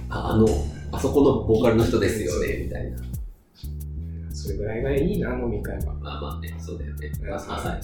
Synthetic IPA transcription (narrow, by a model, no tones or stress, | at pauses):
a̰a̰no̞aso̞ko̞no̞bo̞ːkaɾʲinoçi̥t̪o̞d̪e̞sɨjo̞ne̞̰mʲit̪a̰ḭna | aso̞ɾe̞ɡɯ̟ɾaiɡaiɲ̟inãŋɡomʲikaeɡa̰maːma̰ːneso̞ːd̪ajoneaahai